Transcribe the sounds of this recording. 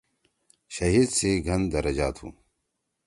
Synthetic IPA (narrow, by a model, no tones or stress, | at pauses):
ʃɐɦiːd̪seɡʱɐnd̪ɐɾɐd͡ʑa̰ːt̪ṵ̃ː